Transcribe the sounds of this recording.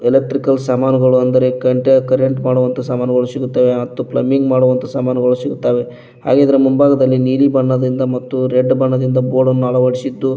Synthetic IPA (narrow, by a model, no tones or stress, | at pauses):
elek̚ʈɾikɐlsaːmaːnɐɡɐɭuɐnd̪ɐɾe̞kɐɳʈekɐɾeɳʈmaːɽuʋɐnt̪ʰɐsaːmaːnɐɡɐɭusiɡut̪ːaːʋemɐt̪ːuplɐ̰mːiŋɡmaːɽuʋɐnt̪ʰɐsaːmaːnɐɡɐɭusiɡut̪ːaːʋe̞ | ha̰ːɡeːid̪ɐɾɐmumbaːɡɐd̪ɐlːiniːlibɐɳːɐd̪ɾind̪ɐmɐt̪ːuɾeɖːbɐɳːɐd̪ind̪ɐbo̞ːɽɐnːuɐɭɐʋɐɽisid̪ːu